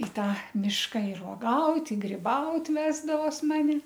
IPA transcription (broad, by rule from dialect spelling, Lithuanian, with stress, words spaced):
ɪ ˈtɑː ˈmʲɪʃkɐ ɪr oːˈɡɐʊtʲ ɪ ɡrʲɪˈbɐʊtʲ ˈʋʲæːzdɐʋoːs ˈmɑːnʲɪ